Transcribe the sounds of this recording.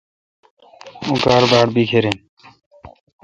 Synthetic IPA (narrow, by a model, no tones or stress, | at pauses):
ũːkaːɾbaːɽbiːkʰeːɾeːn